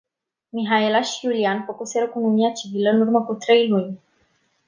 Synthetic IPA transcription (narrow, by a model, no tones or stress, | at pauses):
miɦaelaʃijulianfəkuseɾəkunomiat͡ʃiviləɨnurməkut̪ɾejlunʲ